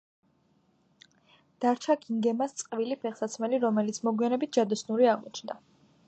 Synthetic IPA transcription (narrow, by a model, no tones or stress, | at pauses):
d̪̥aɾt͡ʃʰakiŋɡɛmast̪sʼqʼvilipʰɛχsat̪sʰmɛliɾɔmɛlit̪sʰmɔɡwianɛbit̪̚ʰd͡ʒ̥ad̪ɔsnuɾiaʁmɔt͡ʃʰnd̪a